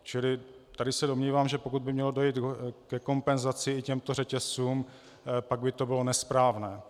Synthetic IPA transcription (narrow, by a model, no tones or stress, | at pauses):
t͡ʃɪlɪt̪adɪsɛdo̞mɲiːvaːmʒɛpo̞kud̪̚bɪmɲɛlo̞do̞jiːt̪kɛko̞mpɛnzat͡sɪɪcɛmt̪o̞rɛcɛsuːm | paɡ̚bɪt̪o̞bɪlo̞nɛspɾaːvnɛː